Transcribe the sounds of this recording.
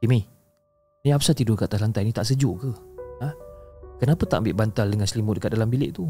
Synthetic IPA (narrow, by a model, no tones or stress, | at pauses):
imi | niapsat̪idʊkaʔt̪aslant̪ajnit̪aʔsəd͡ʒʊʔkəakənapət̪a̰ʔmbɪʔbant̪aldəŋanslimʊʔ̚dəkat̪̚dalambilɪ̰ʔt̪u